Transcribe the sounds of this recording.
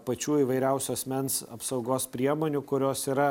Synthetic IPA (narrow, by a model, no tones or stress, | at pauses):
pɐt͡ʃʲuːiːʋɐɪɾʲɛʊsʲʊɐsʲmʲɛnsɐ̰psɐʊɡoːspʲɾʲiɛmoːnʲʊkʊɾʲoːsiːɾɐ